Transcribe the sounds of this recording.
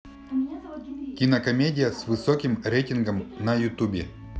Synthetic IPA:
kʲinɐkɐmʲedʲɪjɐsvɨsokʲimɾʲejtʲinɡəmnɐjut̪ubʲe

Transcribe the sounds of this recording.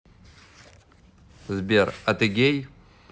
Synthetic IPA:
zbʲerɐt̪ɨɡʲej

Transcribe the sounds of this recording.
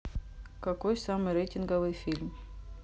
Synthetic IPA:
kɐkojsamɨjɾejtʲɪnɡəvɨjfʲilʲm

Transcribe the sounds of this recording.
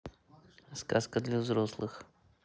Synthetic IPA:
skaskəd̪lʲɐvzɾoslˠɨx

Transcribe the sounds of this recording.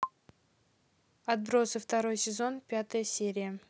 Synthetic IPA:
ɐt̪̚bɾo̞sɨft̪ɐɾo̞jsʲɪzo̞npʲat̪əjəsʲe̞ɾʲɪjə

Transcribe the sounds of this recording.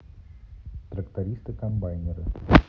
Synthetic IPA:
t̪ɾəkt̪ɐɾʲist̪ɨkɐmbajnʲɪɾə

